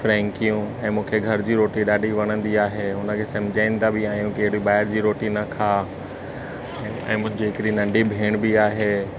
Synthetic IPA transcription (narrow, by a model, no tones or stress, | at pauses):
fɾɛ̃ːŋkijũɛ̃ːmũːkʰeɡʱɐɾd͡ʑiːɾoːʈiɗaːɖʱiʋɐɽ̃ə̃nd̪iaːɦeɦʊnə̆kʰeːsɐ̃m̤ɪd͡ʑaːɪnɪ̆d̪abɪaːɦijũkeɦɪɽiɓaːɪɾd͡ʑiːɾoːʈinɐkʰaː | ɛ̰̃ːmʊ̃ɦɪ̃ɲd͡ʑiɦɪkɪɽinɐ̃ɳɖibʱeːɽ̃biaːɦeː